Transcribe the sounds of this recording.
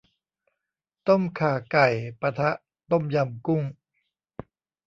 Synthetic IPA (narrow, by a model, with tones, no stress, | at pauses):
t̪o˥˩mkʰaː˨˩ka˨˩jpa˧t̪ʰa˦˥ʔ | t̪o˥˩mja˧mku˥˩ŋ